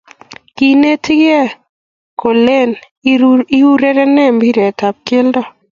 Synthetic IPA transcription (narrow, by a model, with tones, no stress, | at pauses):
ki˨ne˦tɡɛ˦ | ko˨le˦˨n | i˦u˦ɾɛ˦ɾɛ˦nɛ˦mbi˦ɾɛ˨ta˨p̚ke˦ldɔ˦